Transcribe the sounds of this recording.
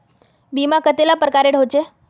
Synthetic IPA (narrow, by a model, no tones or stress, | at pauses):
bimãkət̪elapɾəkaɾeɽ̤ɦot͡ʃe